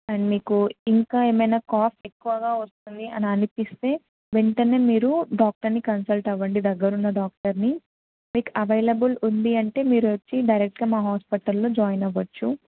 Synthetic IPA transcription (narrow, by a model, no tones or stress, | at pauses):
ɐnimiːkuiŋkaːeːmɐjnaːkaːpʰekːuʋɐɡaːʋɐst̪und̪iʔɐniɐnipist̪e̞ː | ʋeɳʈɐne̞ːmiːɾuɖaːk̚ʈɐɾnikɐnsɐlʈɐʋːɐɳɖid̪ɐɡːɐɾunːɐɖaːk̚ʈɐɾni | miːkɐʋɐjlɐbulund̪iɐɳʈe̞ːmiːɾuʋɐt͡ʃːiɖɐjɾek̚ʈɡaːmaːɦaːspiʈɐlːo̞ːd͡ʒaːjnɐʋɐt͡ʃːu